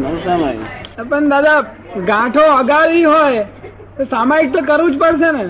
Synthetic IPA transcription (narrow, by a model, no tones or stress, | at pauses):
nəsama̰pəɳd̪ad̪a | ɡãʈʰoəɡaɾiɦoj | t̪osamaik̚t̪ok̬əɾʋũd͡ʒpəɽʃene